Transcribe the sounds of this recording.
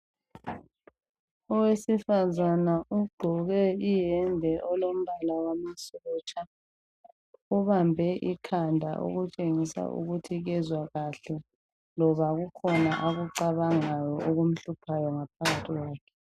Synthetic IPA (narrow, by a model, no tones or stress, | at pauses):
ɔwesifazanauɡ͡ǃʱɔɣɛijɛndʱɛʔɔlom̩βalawamasɔɣɔt͡ʃʼa | uβambʱɛʔikʰandʱa̰ʔo̰ɣut͡ʃʼeŋisa̰ʔṵɣutʰiɣɛzwaɣaɬɛ | lɔβaɣukʰɔnaʔaɣuǀaβaŋajɔʔoɣum̩ɬupʰajɔŋapʰaɣatʰiɣwaːkʰɛ̥